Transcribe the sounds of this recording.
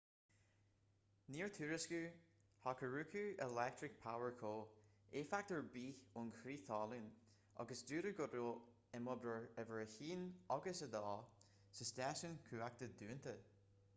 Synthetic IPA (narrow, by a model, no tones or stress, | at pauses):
niːɹt̪ʰuːɹɪskuː | hɔkʰəɹʉːkʰʉːɛlɛk̚t̪ɹɪk̚pʰawəɹkʰoːeːfak̚t̪əɹbiːʊnkʰɾiːθɑːluːn | ɔ̰ɡəsd̪ʉːɾəɡʊdɹo | ɪmɔbɾəɹɛvəɹəçiːnɔɡəsəd̪ɑː | səsdɛːsənkʰʉːak̚t̪əd̪ʉːənt̪ʰə